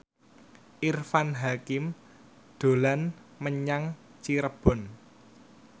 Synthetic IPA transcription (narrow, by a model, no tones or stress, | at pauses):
ʔirfanɦakɪm | d̪̥o̤lanməɲaŋ | t͡ʃiɾəb̥ɔ̤n